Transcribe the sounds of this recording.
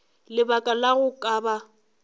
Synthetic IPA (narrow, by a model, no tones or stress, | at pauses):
lɪbakʼalaɣʊkʼaba